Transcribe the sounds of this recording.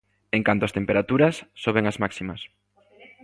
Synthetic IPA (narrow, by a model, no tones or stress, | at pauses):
ẽŋkant̪oast̪empeɾat̪uɾɐsːoβ̞eŋɐzmaksimɐs